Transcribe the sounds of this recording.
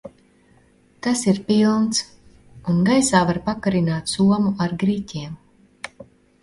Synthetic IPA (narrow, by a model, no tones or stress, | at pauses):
t̪asiɾpilˠnt̪s | unɡajsaːvaɾpakaɾinaːt̪suɔmuaɾɡɾitʲiɛm